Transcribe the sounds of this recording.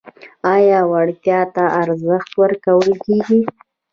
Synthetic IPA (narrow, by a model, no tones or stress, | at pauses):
ɑjɑwaɽt̪jɑt̪aaɾzəxt̪wəɾkawəlkeɡi